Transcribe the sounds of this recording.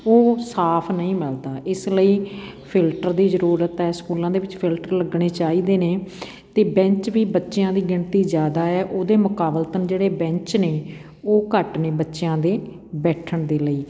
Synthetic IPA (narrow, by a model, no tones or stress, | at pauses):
oːsaːpʰnəĩːməld̪aːʔɪsləiː | pʰɪlʈəɾd̪iːzəɾuːɾət̪ɛːskuːlãːd̪eːʋɪt͡ʃpʰɪlʈəɾləɡɽeːt͡ʃaːiːd̪eːneː | t̪eːbɛ̃ɲt͡ʃʋiːbətːʃjãːd̪iːɡɪɳt̪iːzjaːd̪aːɛːʔoːd̪eːmʊkaːbəlt̪ənd͡ʒeːɽeːbɛ̃ɲt͡ʃneː | oːkəʈneːbətːʃjãːd̪eː | bɛːʈʰəɳd̪eːləiː